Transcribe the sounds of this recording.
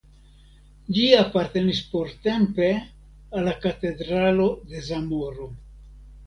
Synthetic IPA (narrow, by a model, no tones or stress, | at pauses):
liapaɾt̪e̞nispo̞ɾt̪e̞mpe̞ | alːakat̪e̞d̪ɾalo̞d̪e̞zamo̞ɾo̞